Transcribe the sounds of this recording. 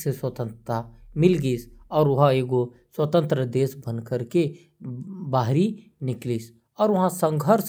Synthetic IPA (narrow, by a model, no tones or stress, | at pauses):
seswət̪ə̃nt̪amɪlɡiːsɔːɾʋɐɦãeːɡo | swət̪ə̃nt̪ɾəd̪eːsbə̃nkəɾke | baːɦɾi | nɪkliːs | ɔːɾʋɐɦãsə̃ŋɡʱəɾs